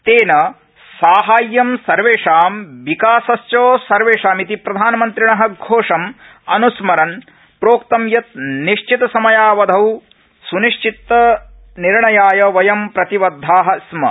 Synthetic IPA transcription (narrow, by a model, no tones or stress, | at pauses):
t̪eːnɐ | saːɦaːjːɐmsɐɾʋeːʂaːmʋikaːsɐst͡ʃoːsɐɾʋeːʂaːmit̪ipɾɐd̪ʱaːnɐmɐnt̪ɾiɳɐɦɐ̆ɡʱoːʂɐm | ɐnusmɐɾɐn | pɾoːkt̪ɐmjɐt̪̚niʂt͡ʃʰit̪ɐsɐmɐjaːʋɐd̪ʱɐw | suniʃt͡ʃit̪ːɐ | niɾɳɐjaːjɐʋɐjɐmpɾɐt̪iʋɐd̪ʱːaːɦɐ̆smɐ̰